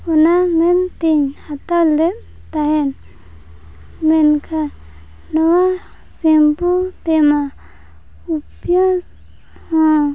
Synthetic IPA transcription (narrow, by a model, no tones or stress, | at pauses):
unament̪iɲhat̪ale | t̪aɦɛn | menkʰa | nɔwa | simput̪ema | upjã